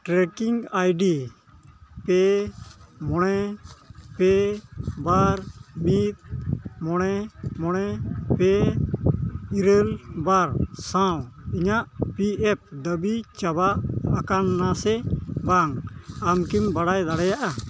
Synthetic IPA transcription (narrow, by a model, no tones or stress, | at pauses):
ʈɾɛkiŋajɖi | pɛ | mɔɽɛ | pɛbaɾmit̪̚mɔɽ̃ɛmɔɽ̃ɛpɛ | iɾəlbaɾsãwiɲaʔpiɛp̚d̪əbit͡ʃabaʔakanːasɛbaŋamkimbaɽajd̪aɽajaʔa